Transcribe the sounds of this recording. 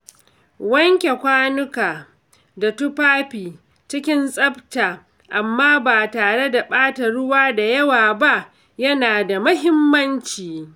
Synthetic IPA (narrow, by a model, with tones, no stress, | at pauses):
wɐ˦ŋkʲe˨kʷaː˦nʊ˦kaː˨ | da˨tʊ˦paː˦ɸiː˨ | t͡ʃɪ˦kʲɪ˦nsʼɐ˦btaː˨ | ʔa˨mːaː˦baː˨taː˨ɽe˦da˨ɓaː˦ta˨ɽʊ˦waː˦da˨jɐ˦waː˨ba˦ʔ | jɐ˦naː˨da˨mʊ˦ɦɪ˦mːɐ˦nt͡ʃiː˨